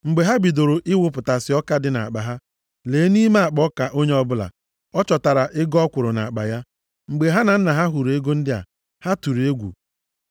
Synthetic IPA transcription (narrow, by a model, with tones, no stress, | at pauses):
ŋ͡m̩˨ɡ͡be˨ɦa˦bi˨do˨ɾo˨ʔɪ˦wʊ˦pʊ˨ta˨sɪ˨˦ɔ˦ka˦dɪ˦na̰˨a̰˨k͡pa˨ɦa˦ | leː˨˦ni˦me˦a˨k͡pɔ˦ka˨ʔo˦ɲe˦ɔ˦bʊ˦la̰˨ | ɔ˦t͡ʃɔ˨ta˨ɾa˨ʔɪ˦ɡɔ˦kʷʊ˨ɾʊ˨na̰˨a˨k͡pa̰˨ja˦ | ŋ͡m̩˨ɡ͡be˨ɦa˦na˨n̩˦na˨ɦa˦ɦu˨ɾe˦ɡo˦n̩˦dɪ˦a̰˨ | ha˦tu˨ɾe˦ɡʷṵ˨